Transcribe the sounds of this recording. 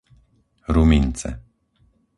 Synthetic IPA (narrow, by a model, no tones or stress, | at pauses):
ɾumint̪sḛ